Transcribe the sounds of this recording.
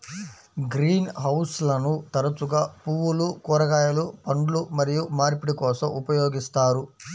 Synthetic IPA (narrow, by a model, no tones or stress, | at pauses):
ɡɾiːnɦɐwslɐnut̪ɐɾɐt͡ʃuɡaːpuwulukɔːɾɐɡaːjɐlupɐɳɖulumɐɾijumaːɾipiɽikɔːsɐmʔupɐjoːɡist̪aːɾu